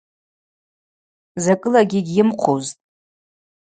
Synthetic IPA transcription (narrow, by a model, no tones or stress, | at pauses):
zakʼɨlaɡʲɪɡʲɪmqʷʰoztʼ